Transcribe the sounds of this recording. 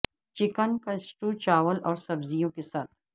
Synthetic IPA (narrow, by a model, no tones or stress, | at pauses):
t͡ʃɪkənkɐsʈut͡ʃaːwəlɔːɾsɐbzijõkesaːt̪̚ʰ